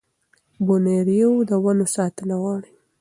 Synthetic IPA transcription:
boneɾijewd̪əwanosɑt̪ənaɣɑɽi

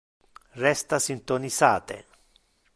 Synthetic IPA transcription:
rɛst̪asint̪onisaːt̪ḛ

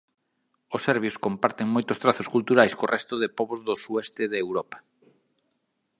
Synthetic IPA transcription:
ʊsɛɾβjoskompaɾt̪ɪŋmojt̪ʊst̪ɾaθoskult̪uɾajskorʔɛst̪ʊðɪpɔβozðʊsuɛst̪ɪðewɾɔpḁ

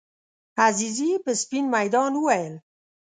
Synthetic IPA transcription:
azizipespinmajd̪ɑːnuwel

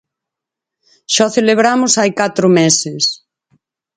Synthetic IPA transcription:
ʃɔθeleβɾamʊsajkat̪ɾʊmesɪs

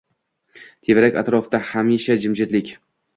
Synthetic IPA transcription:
t̪ʰevɾakʲa̰t̪ɾɒfd̪ahamiʃad͡ʒɪmd͡ʒɪt̪lɪkʲ

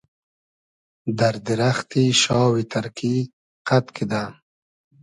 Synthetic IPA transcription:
d̪aɾd̪iɾaxt̪iʃɑːwit̪ʰaɾkʰi | qat̪kʰid̪a

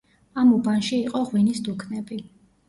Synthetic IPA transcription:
amubanʃiːqʼɔʁwinisd̪ukʰnɛbi

